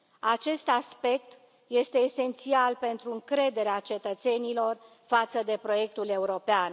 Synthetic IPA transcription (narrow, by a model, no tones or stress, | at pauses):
at͡ʃe̞st̪aspe̞k̚t̪ | je̞st̪e̞ːse̞nt̪sialpe̞nt̪ɾuɨŋkɾe̞d̪e̞ɾeat͡ʃe̞t̪ət̪se̞nilo̞r | fat̪səd̪e̞pɾo̞je̞k̚t̪ule̞uɾo̞pean